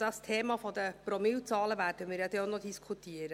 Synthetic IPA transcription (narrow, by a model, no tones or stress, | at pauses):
d̥ɑstʰeːmɑfɔd̪əpɾɔmilt͡sɑːləʋæːɾdəmɪːɾjɑd̪ɛːonɔd̪iskʰut̪iəɾə